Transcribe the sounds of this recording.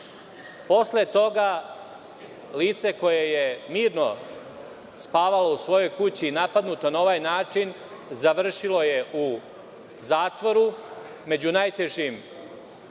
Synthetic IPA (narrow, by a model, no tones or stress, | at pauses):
po̞slet̪o̞ɡa | liːt̪se̞ko̞jeje̞miːɾno̞ | spaːʋalo̞usʋo̞jo̞jkut͡ɕinapad̪nut̪o̞nao̞ʋajnaːt͡ʂin | zaʋr̩ʃilo̞je̞ʔu | zaːt̪ʋo̞ɾu | me̞d͡ʑunajt̪e̞ʒim